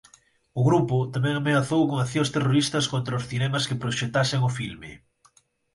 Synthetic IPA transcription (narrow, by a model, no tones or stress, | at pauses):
ʊɣɾupʊt̪amɛ̃ŋamenaθowkoŋaθjost̪eroɾist̪ɐskont̪ɾaʊsθinɛmɐskɪpɾoʃet̪aseŋʊfilmɪ̰